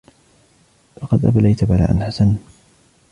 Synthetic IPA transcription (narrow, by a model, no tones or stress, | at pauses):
lɑqɑd̪ʔa̰balajt̪abala̰ːʔanħasan